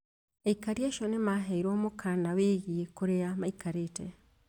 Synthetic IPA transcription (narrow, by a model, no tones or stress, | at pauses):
eikaɾiaʃɔnemaɦɛiɾomokʰanaweɣiekoɾeamaikaɾetɛ